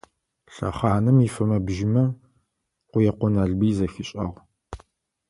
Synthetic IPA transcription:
ɬɐ̰χaːnɨmifɐmɐbʒɪmɐ | qʷʊjɛqʷɔnaɮbiːzɐxɪɕʼɐ̰ʁ

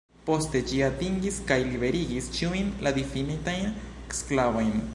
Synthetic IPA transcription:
po̞ste̞d͡ʒiatiŋɡiskajliβe̞ɾiɡist͡ʃiujnlʔad̪ifinitajneksklavojn

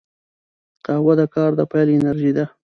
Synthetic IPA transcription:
q̪ɑwad̪əkɑɾd̪əpajlɪnaɾʒid̪a

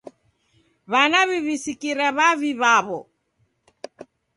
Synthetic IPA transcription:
βanaβiβisikiɾaβaβiβaβɔ

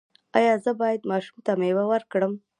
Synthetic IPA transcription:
ɑjɑzəbɑjad̪mɑʃumt̪amewawəɾkɽəm

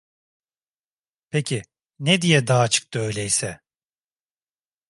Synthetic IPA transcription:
pʰecʰi | nɛd̪ijɛd̪aːt͡ʃʰɯ̥k̚t̪ʰɯø̞jlʲɛjsɛ

